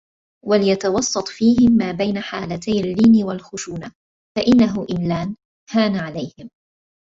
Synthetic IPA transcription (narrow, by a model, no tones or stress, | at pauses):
walɪjat̪ɑwɑsˤːɑt̪ˤfiːhɪmːaːbajnaħaːlat̪ajalːɪːnɪwalxʊʃuːna | faʔɪnːaɦʊʔɪmlaːn | haːnaʕalajhɪm